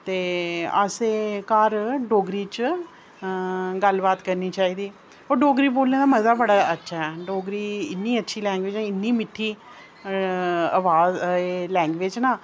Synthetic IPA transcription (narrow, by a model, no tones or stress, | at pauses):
t̪eːə̰seːkaːɾɖoːɡɾiːt͡ʃ | ɡəlbaːt̪kəɾniːt͡ʃaːiːd̪iː | oːɖoːɡɾiːboːlneːd̪aːməzaːbəɽaːətːʃʰaɦɛːɖoːɡɾiːɪnːiːətːʃʰiːlɛ̃ːŋɡʋeːd͡ʒɛ̃ːɪnːiːmɪʈʰːiː | əʋaːzelɛ̃ːŋɡʋeːd͡ʒnaː